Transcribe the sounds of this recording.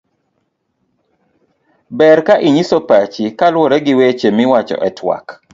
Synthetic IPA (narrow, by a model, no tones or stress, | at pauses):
bɛɾkaʔiɲisopat͡ʃikalwɔɾɛɡɪwet͡ʃemɪwat͡ʃɔ̰ʔɛtʰwa̰k